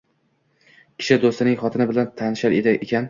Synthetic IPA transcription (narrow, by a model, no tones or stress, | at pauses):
kʲʰɪ̥ʃɪd̪ost̪ɪnɪŋχɒt̪ʰɪnɪbɪlant̪ʰanɪʃaɾed̪aʔekʲan